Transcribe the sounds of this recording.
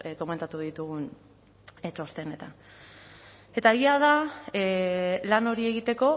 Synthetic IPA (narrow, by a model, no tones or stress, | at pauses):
ko̞me̞nt̪at̪uð̞it̪uɣun | et͡ʃo̞st̪ene̞t̪a | e̞t̪ae̞ɣiað̞a | lano̞ɾie̞ɣit̪e̞ko̞